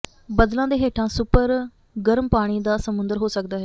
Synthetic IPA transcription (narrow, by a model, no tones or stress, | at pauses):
bəd̪lãːd̪eːɦeːʈʰãːsʊpəɾ | ɡəɾmpaːɽ̃iːd̪aːsəmʊnd̪əɾɦoːsəkd̪aːɦɛː